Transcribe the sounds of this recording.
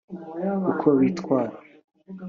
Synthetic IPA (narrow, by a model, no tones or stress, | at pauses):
ukʰowit̪kwaːɾa